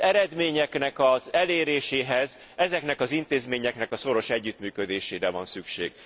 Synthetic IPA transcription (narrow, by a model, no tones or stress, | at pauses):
ɛɾɛd̪meːɲɛknɛkɒzɛleːɾeːʃeːɦɛz | ɛzɛknɛkɒzint̪eːzmeːɲɛknɛkɒso̞ɾo̞ʃɛɟːyt̪myːkød̪eːʃeːɾɛvɒ̰nsykʃḛːɡ̥